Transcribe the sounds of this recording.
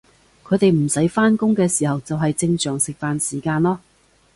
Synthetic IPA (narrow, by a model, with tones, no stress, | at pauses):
kʰɵ˨˧ɥt̪e˨jm̩˨˩sɐ˨˥jfaː˥nkʊ˥ŋkɛː˧siː˨˩hɐ˨wt͡sɐ˨wɦɐ˨jt͡sɪ˧ŋsœː˨˩ŋsɪ˨k̚faː˨nsiː˨˩kaː˧nlɔː˥